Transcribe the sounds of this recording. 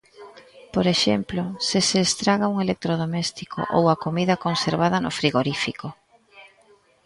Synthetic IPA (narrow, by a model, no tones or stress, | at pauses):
poɾeʃḛmplosɪseːst̪ɾaɣauŋelek̚t̪ɾoð̞omest̪ikʰo̰ʔo̰wɐkomiðɐkonseɾβað̞ɐno̰fɾiɣoɾifiko